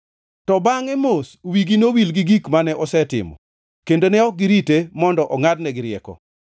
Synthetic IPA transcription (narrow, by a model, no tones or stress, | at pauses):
tɔbaŋɛmoswiɡinowilɡiɡikmanɛʔɔsɛtɪ̰mɔ̰ | kendonɛɔɡɪɾitemɔndɔʔɔŋadnɛɡɪɾɪɛ̰kɔ̰